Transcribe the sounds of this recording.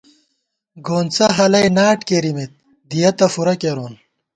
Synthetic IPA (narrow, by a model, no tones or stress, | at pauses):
ɡoːnt͡sɐɦɐlɐjnaːʈkeɾimit̪̚ | d̪ijɐt̪ɐfuɾɐkeɾoːn